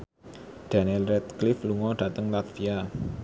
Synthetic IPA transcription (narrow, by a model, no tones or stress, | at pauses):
ɖ̥anilɾɛt̪̚klɪfluŋɔɖ̥ä̤t̪əŋlat̪fia